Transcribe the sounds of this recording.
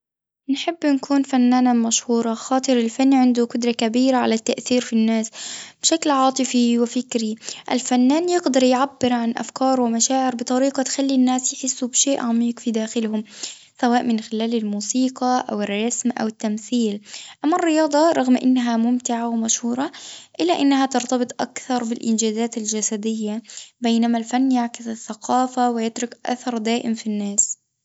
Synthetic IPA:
nħɪbːnkʰuːnfanːaːnamaʃhuːɾˤɑxɑːt̪ˤɨɾɪlfanːʕɪnd̪ʊqʊd̪ɾˤɑkabiːɾaʕa̰lat̪ːaʔθiːɾfinːaːsb̥ʃaklʕɑːt̪ˤɨfiwɪfɪkɾiʔa̰lfanːaːnjɪɡd̪ɑɾˤjʕabːɪɾʕanʔa̰fkɑːɾˤwɪmaʃaːʕɪɾbɨt̪ˤɑɾiːqɑt̪xalːinːaːsjħɪsːubʃeːʔʕamiːqfid̪aːxɪlhʊm | sawaːʔmɪnxɪlaːlɪlmuːsiːqɑʔa̰wɪrˤːɑsmʔa̰wɪt̪ːamθiːlʔamːarːɪjɑːd̪ˤɑɾˤɑɣmʔɪ̰nːaɦamʊmt̪ɪʕawɪmaʃhuːɾˤɑʔɪlːaʔɪnːahat̪ɑɾt̪ɑbɨt̪ˤʔa̰kθɑɾˤbɪlʔɪ̰nd͡ʒaːzaːt̪ald͡ʒasad̪ɪjːabejnamalfanːjaʕkɪsaθːaqʰɑːfawɪjɪt̪ɾʊkʔa̰θɑɾˤd̪aːʔɪmfinːaːs

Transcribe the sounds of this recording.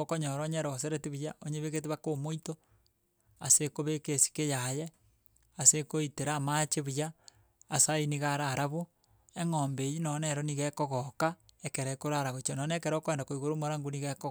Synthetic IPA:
okoɲoɾɔɲeɾos̬eɾetiβujaʔoɲeβeɣetiβakomoito | asekoβekesi̥kejaje | asekoiteɾaːmat͡ʃeβujaː | sainiɣaɾaɾaβo | eŋoːmbejinɔneɾoniɣɛkɔɣokaekeɾekoɾaɾaβot͡ʃonɔnekeɾokoeːndakoiɣoɾomoɾaŋɡuniɣeko

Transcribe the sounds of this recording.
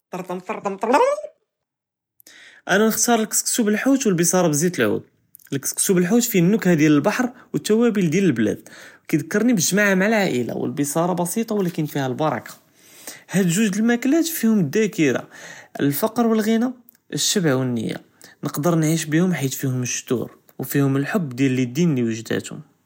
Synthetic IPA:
t̪ɑɾˤt̪ˤɑmt̪ˤɑɾˤt̪ˤɑmt̪ˤ | ʔænænəxt̪ɑɾˤəlkə̥sksubəlħut̪wəlbisˤɑɾˤɑbəzit̪əlʕṵd̪̚ | əlkə̥sksubəlħut̪finːʊkhæd̪jæləlbɑħɾˤwət̪ːæwæbild̪jæləlblæ̰d̪̥̚wkæd̪əkːɑɾˤnibʒmaʕamaʕalʕaʔəla̰wə̰lbisˤɑɾˤɑbɑsit̪ˤɑwlækənfihælbɑɾˤɑ̰kḁ | hæd̪ʒuʒd̪əlmæklæt̪fihʊməd̪ːækəɾa̰ʔəlfɑqɾwəlɣina | ʔəʃːəbʕwənːə̰jːa̰ | nəqd̪əɾˤnʕiʃbihʊmħit̪fihʊməʃːt̪ṵɾ | wfihʊməlħʊbːd̪jælːid̪ːinliwəʒd̪æ̰t̪hʊ̰m

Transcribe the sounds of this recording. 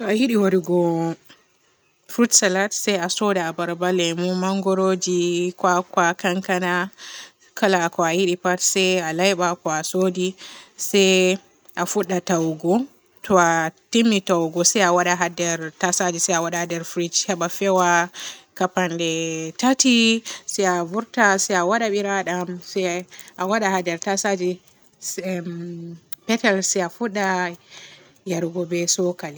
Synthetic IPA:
tɔahiɗiwaɾiɡɔ | fɾutsalatsajasɔdaabaɾbalɛmumaŋɡɔɾod͡ʒikwakwakaŋkana | kʰalakɔahiɗipatsɛjalajɓakɔasodisaj | ʔafuɗːatawɡɔ | tʰɔatimːitawɡɔsɛjawaɗaɦadɛɾtasad͡ʒisɛjawaɗahadɛɾfɾid͡ʒhaɓafɛwakapandɛtatisɛavuɾtasɛjawaɗaɓiɾaɗamsɛʔawaɗahadɛɾtasad͡ʒi | pɛtɛlsɛafuɗːa | jaɾɡɔbɛsɔkali

